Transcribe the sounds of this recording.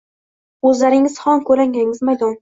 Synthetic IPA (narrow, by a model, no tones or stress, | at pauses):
ɵzlaɾɪŋɪz̥hɒŋkʰɵɾaŋʲaŋɪzmajd̪ɒn